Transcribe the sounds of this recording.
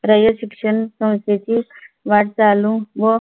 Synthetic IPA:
ɾəjəɕikʂənsə̃w̃st̪et͡ɕi | ʋaʈ̚t͡salũʋə

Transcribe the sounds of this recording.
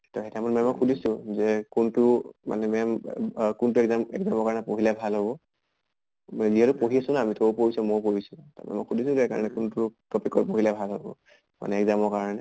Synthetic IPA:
tɔxɛtʰamɔtmɔmɔkʰulisʊ̃zɛkuntʊma̰nɛmɛ | kunt̬uɛɡzamɛ̰ɡzamɔɹkaɹnɛpoɦilɛbʱalɦobɔ | manɛziɦɛtʊpoɦiasʊ̃naːmitopoɹisɔmopoɹisʊta̰mɔ̰mɔkʰulisʊ̃zɛka̰ɹɔnɛkuntʊtɔpikɔɹpoɦilɛbʱalɦobɔ̰ | ma̰nɛɛɡzamɔɹkaɹɔnɛ

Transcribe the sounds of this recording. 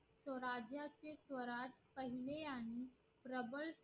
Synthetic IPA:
sʋəɾad͡ʑjat͡sesʋəɾad͡zpəɦileaɽ̃i | pɾəbəls

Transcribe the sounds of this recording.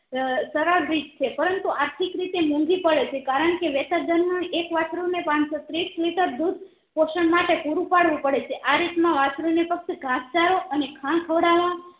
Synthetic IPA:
səɾaɾbɾid͡ʒt͡ʃʰepəɾənt̪uʔaɾt̪ʰikɾit̪emũŋɡipəɽet͡ʃʰekaɾəɳkeʋet̪əd̪əɾmunekʋat͡ʃɾunepãnsot̪ɾisliʈəɾd̪ud̪ | poʃəɳmaʈepuɾũpaɽʋũpəɽet͡ʃʰeʔaɾit̪mãʋat͡ʃɾunepək̚t̪ɡʱast͡ʃaɾoʔənekʰãɳkʰəʋɽaʋã

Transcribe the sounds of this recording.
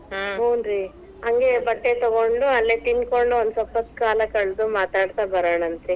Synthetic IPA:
ɦoːnɾi | ɐŋɡe̞bɐʈːet̪ɔɡoɳɖuɐlːet̪inko̞ɳɖuond̪usɔpːɐt̪ːkaːlɐkɐɭd̪umaːt̪aːɽt̪abɐɾaːɳɐnt̪ɾi

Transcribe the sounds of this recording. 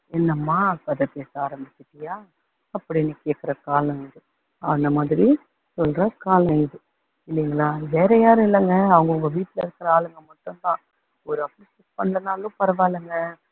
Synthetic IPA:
ɛnːɐmaːkɐðɛpeːsaːɾɐmbɪt͡ʃːɪʈːɪjaː | ɐpːɐɽinːɯkeːkːɪɾɐkaːlɐ̃ɪðɯ | ɐɐnɐmaːðɪɾi | sɔlɾɐkaːlɐ̃ɛðɯ | ɪlːɪŋɡɐlaːʋeːɾɐjaːɾɯ̃ɪlːɐŋɡɐːʋɐŋɡɐʊŋɡɐʋiːʈːlɐɪɾɯkːɐɾɐaːlɯŋɡɐmɔʈːɔnt̪ãː | ɔɾɯɐpːlisɪspɐɳːlɐnaːlʊ̃pɐɾɐʋaːɪlɐŋɡɐ

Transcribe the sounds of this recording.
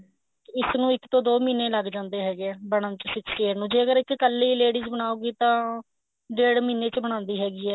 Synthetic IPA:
ɪsnũːɪkt̪õːd̪oːmiːnẽːləɡd͡ʒãːnd̪eːɦɛːɡeɛːbəɽ̃ãnt͡ʃsɪkseːɾnũːd͡ʒeːəɡəɾɪkːəlːiːleːɽiːzbəɳ̃aːuːɡiːt̪ãː | ɖeːɽmiːneːt͡ʃbəɽ̃ãːnd̪iːɦɛːɡiːɛː

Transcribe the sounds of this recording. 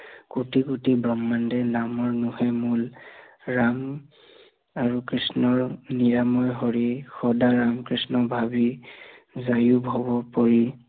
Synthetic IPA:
kutikutibɹɔmːandɛnamɔɹnuhɛmul | ɹam | aɹukɹisnɔɹniɹamɔjɦɔɹixɔdaɹamkɹisnɔbʱabi | zajubʱɔbɔpɔɹi

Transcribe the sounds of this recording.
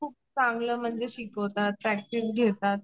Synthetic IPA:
kʰuːp̚t͡sãŋɡləːm̤əɳd͡zeɕikət̪at̪̚ːɾæk̚ʈisɡʱet̪at̪̚

